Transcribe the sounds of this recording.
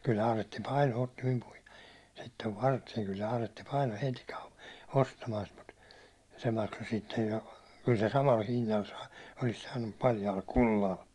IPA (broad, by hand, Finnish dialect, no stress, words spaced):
kylːæ̆ ɑːretːi pɑino otːi mim puhi̥e̥ sitːeʋ ʋɑrte̥ː kylː ɑːretːi pɑino heti kɑu ostɑmɑːn sit mut se mɑkso sitːej jo kyl se sɑmɑl hinːɑl sɑː olis sɑːnːum mut pɑljɑːl kulːɑl